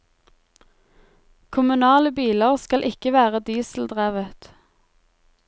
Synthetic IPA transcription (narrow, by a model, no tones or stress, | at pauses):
kʰʊmʉnɑːləbiːləʁskɑlʔɪkəʋæːʁəd̪iːsl̩d̪ʁæːʋət̪